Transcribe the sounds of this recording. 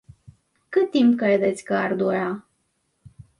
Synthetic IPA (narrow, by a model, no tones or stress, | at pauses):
kɨt̪ːimpkɾed̪et̪sʲkəard̪uɾa